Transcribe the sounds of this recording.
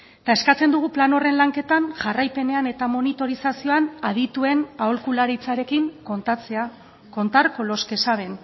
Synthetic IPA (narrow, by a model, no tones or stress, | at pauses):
et̪ae̞skat͡se̞nd̪uɣ̞uplano̞re̞nlaŋke̞t̪anʝarajpe̞ne̞ane̞t̪amo̞nit̪o̞ɾisasio̞anaðit̪ue̞naolkulaɾit͡saɾe̞kiŋot͡sea | ko̞nt̪aɾko̞lo̞ske̞saβ̞e̞n